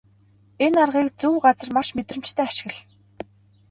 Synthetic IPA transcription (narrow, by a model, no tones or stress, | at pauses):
enarʁiːkt͡suwɢat͡sə̆rmaʃmet̪rə̆m̥t͡ɕt̪ʰæːaʃɪ̆ɣɘ̆ɮ